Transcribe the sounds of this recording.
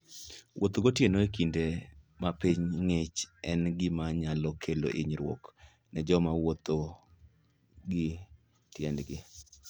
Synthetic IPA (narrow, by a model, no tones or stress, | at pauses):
wʔo̰t̪oɡotjenoekinde | mapiɲŋet͡ʃɛnɡɪmaɲalɔkʰelo̰ʔeɲɾwɔ̰k | nɛd͡ʒɔmawot̪o | ɡɪ | tjɛndɡɪ